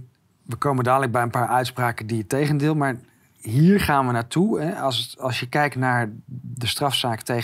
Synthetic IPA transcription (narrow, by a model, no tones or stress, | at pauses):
ʋəkowməndaːdələɡ̚bɛjənpaːɹœɥtspraːkəndiətejχəndɪːlˠmaːɹ | ɦiːɹχaːnʋənaːɹtuɛsɑlˠsjəkɛjk̚tnaːɹdəstrɑfsaːkətej